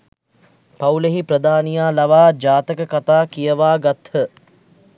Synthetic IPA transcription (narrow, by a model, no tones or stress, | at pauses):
pauleɦipɾəd̪aːnijaːlɐʋaːd͡ʒaːt̪əkəkat̪aːkijəʋaːɡat̪hə